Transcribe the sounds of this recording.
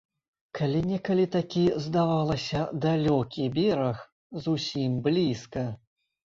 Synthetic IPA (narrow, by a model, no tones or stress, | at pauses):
kʰalʲinʲɛkɐlʲit̪akʲizd̪avalˠɐsʲɐd̪alʲɔkʲibʲɛɾɐx | zusʲimblʲiskɐ